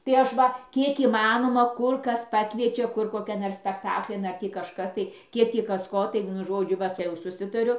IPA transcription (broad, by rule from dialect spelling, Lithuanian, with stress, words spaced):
tɐɪ ˈɐʃ ʋɐ ˈkʲiɛk iːˈmɑːnoːmɐ ˈkʊr ˈkɐs ˈpɑːkʋʲiɛt͡ʃʲɛ ˈkʊr koːˈkʲɛn ɐr sʲpʲɛkˈtɑːklʲɪn ˈɐr tʲiː kɐʃˈkɐs tɐɪ ˈkʲiɛk ˈtʲiː ˈkɐs ˈkoː tɐɪ ˈʋʲiɛnʊ ˈʒoːd͡ʒʲʊ ˈʋɐ tʲɛ jɛʊ sʊˈsʲɪtɐrʲʊ